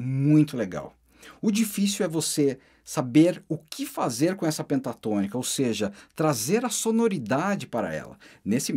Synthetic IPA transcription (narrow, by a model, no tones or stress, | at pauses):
mũj̃t̪ʊleɡa̰w | ʊd͡ʒifisiwɛvose | sabeɾʊkʰɪfazeɾkõɛsɐpẽnt̪at̪õnikɐowseʒɐt̪ɾazeɾɐsonoɾid̪ad͡ʒɪpaɾɐ̰ɛ̰lɐ̰nesɪ